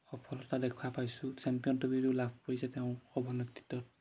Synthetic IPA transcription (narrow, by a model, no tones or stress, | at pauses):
xɔpʰɔlɔtadɛkʰwapajsʊsɛmpijɔntubiɹulabʰʱpoɹisɛtɛʊ̃xɔbɔnekti̥tːɔt̚